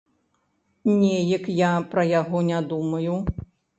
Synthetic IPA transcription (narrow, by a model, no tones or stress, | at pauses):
nʲɛjɐkjapɾɐjaɣɔnʲad̪umɐju